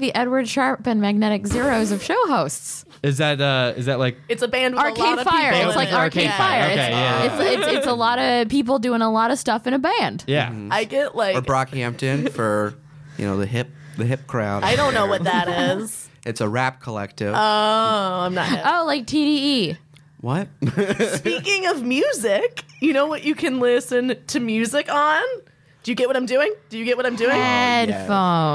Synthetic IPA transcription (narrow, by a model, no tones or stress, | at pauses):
ðiʔɛd̚wə˞dʃɑɹpɨ̃nmæɡ̚nɛɾɨkzɪɹoʊzʌv̥ʃoʊɦoʊsts | ɨzðɨɾʌɪ̰zðɨt̚laɪk̚ɨtsəbæ̃nd̚wɑɹkʰeɪfaɪə˞ɪslaɪkɑɹkʰeɪ̥faɪəoʊeɪjæɪsɪtsɪtsəlɔɾʌpʰip̬l̩ˠdʉɪ̃ŋəlɔɾʌv̥stʌfɨ̃ɾ̃ɨbæ̃nd̥jæ̰aɪɡɛʔlaɪə˞kɹɑkæ̃mp̚tɪ̃nfə˞ | jɨ̰ñoʊðɨɦɪp̚ðɨɦɪp̚kʰɹ̥ã̰ʊ̃naɪɾõʊ̃nːoʊwʌt̚ðɨɾɪz̥ | ʔɨtsəɹæp̚kʰəlɛ̰k̚tɪvo | ãɪ̃mnə̰toʊlaɪk̚tʰiɾii | wʌt̚spikɪ̃ŋʌvmjʉzɪkjɨnoʊwʌt͡ʃɨkʰɨ̃nlɪsɨ̃ntʰɨmjʉzɪkn̩ | d̥ɨjɨɡɛt̚wʌɾãɪ̃mdʉɪ̃ŋd̥ɨjɨɡɛt̚wʌɾãɪ̃mdʉɪ̃ŋɛdfõʊ̃n